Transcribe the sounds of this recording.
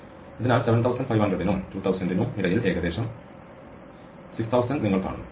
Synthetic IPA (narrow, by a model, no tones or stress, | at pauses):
iðinaːlseʋɐnt̪ʰɐwsɐnɖ̥fɐjʋhɐndrɐɖinumtuːt̪ʰɐwsɐnɖinuːmʋiɾɐjile̞ːɡɐðe̞ːɕɐm | sikst̪ʰɐwsɐnɖniŋːɐɭpa̰ːɳṵ